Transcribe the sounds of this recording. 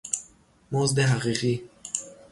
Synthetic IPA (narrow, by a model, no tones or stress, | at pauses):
mozd̪eɦaʁiɣi